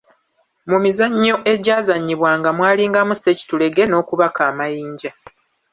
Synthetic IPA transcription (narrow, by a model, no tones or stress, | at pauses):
mumizaɲːo̞ʔe̞ɟaːzaɲːiβwaːŋɡamwaːliːŋɡamuse̞ci̥tule̞ɡe̞no̞ːkuβakaːmajiːɲɟa